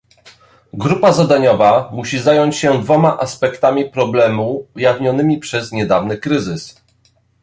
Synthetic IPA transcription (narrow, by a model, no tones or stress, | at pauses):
ɡɾupazad̪aɲɔvamuɕizajɔɲt͡ɕɕɛd̪vɔmaʔaspɛkt̪amʲipɾɔblɛmuːjavɲɔnɘmʲipʂɛzɲɛd̪avnɘkɾɘzɘs